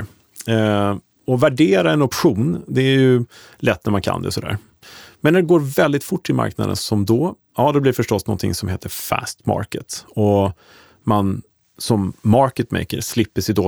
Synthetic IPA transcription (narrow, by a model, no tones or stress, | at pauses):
ɔvæɖeːɾaɛnɔpɧuːnd̪ɛæjɵ | lɛt̪ːnæɾmankʰa̰nd̪ɛ̰sɔd̪æ̰ːɾ | mɛnːæɖɛɡoːɾvɛld̪ɪt̪fʊʈːɪlma̰ɾkna̰d̪ə̰nsɔmd̪ɔ | ɑːd̪ɛblɪɾfœʂʈɔsnɔ̰nt̪ʰɪ̰ŋsɔmheːt̪ʰəɾfæ̰st̪mɑ̰ːɾkət̪ɔ | man | sɔmːɑɾkət̪mɛ̰jkə̰ɾslɪpːəʂɛd̪oː